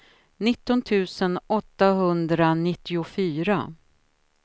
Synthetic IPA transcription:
nɪt̪ːɔnt̪ʰʉ̟ːsənɔt̪ːaɦɵnd̪ɾanɪt̪ːɪʊfyːɾa

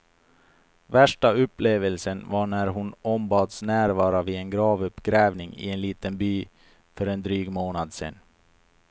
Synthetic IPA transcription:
væʂʈaɵpːleːvəlsənvaɳæɾɦʊnɔmbɑːd̪snæːɾvɑːɾavɪɛnɡɾɑːvɵpːɡ̥ɾɛːvnɪŋɪ̰ɛnliːt̪ənbyː | fœɾɛnd̪ɾyːɡmoːnad̪sɛ̰nː

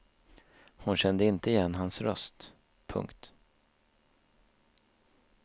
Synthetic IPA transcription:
hʊnɕɛnd̪əɪnt̪əɪjɛnːɦansɾœst̪ | pʰɵ̰ŋkt̪

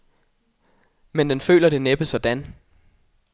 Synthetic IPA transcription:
mend̥enfø̰ːlɐɾ̥e̝neb̥əsɒ̽d̥æn

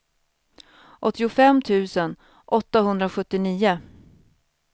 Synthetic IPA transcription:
ʔɔt̪ːɪʊfɛmːt̪ʰʉ̟ːsən | ʔɔt̪ːaɦɵnd̪ɾaɧɵt̪ːɪniːʊ

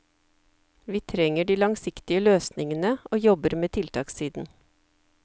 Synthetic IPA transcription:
ʋiːt̪ʰɾɛŋəɖiːlɑŋsɪkt̪ɪəløːsnɪŋənəoːjɔbəɾmeːt̪ʰɪlt̪ʰɑːksiːd̪n̩

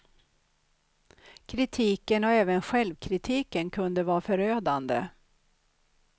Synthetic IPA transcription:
kʰɾɪt̪ʰiːkənɔɛːvənɧɛlvkʰɾɪt̪ʰiːkənkʰɵnd̪əvɑːfœɾøːd̪and̪ə̰

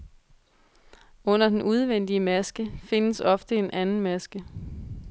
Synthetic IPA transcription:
ɔ̽n̰ɐd̥enʔuð̞ˠʋen̰d̥iəmæsɡ̥əfe̝nəsɒ̽fd̥əe̝nʔænn̩mæsɡ̥ə

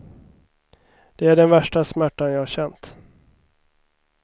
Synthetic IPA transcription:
d̪̥ɛæɖɛnvæʂʈasmæʈːanjaːhaɕɛnt̪

